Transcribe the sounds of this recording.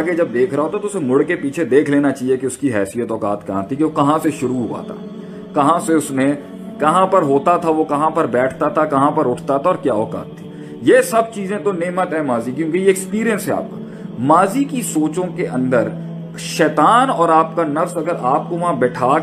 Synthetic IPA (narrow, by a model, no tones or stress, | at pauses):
ɡed͡ʒɐb̚d̪eːkʰɾɐaɦoːt̪at̪oʊsemʊɽkepiːt͡ʃʰed̪eːkʰleːnat͡ʃaːɦijekeʊskiɦɛːsijət̪ɔːkaːt̪kɐɦãt̪ʰikeʋokɐɦãseʃʊɾuɦua̰ːt̪ʰa̰ː | kɐɦãseʊsne | kɐɦãpɐɾɦoːt̪at̪ʰaʋokɐɦãpɐɾbɛːʈʰt̪at̪ʰakɐɦãpɐɾʊʈʰt̪at̪ʰaɔːɾkjaːɦoːka̰ːt̪ʰːi̥ː | jeːsɐb̚t͡ʃiːzẽt̪oneːmət̪ɦɛ̃maːzikjõːkejeːkspiːɾijənsɦɛa̰ːp̚ka̰ː | maːzikisoːt͡ʃõkeʔɐ̃nd̪əɾ | ʃɛːt̪aːnɔːɾaːp̚kanɐfsɐɡəɾaːp̚koʋɐɦãbɛːʈʰaː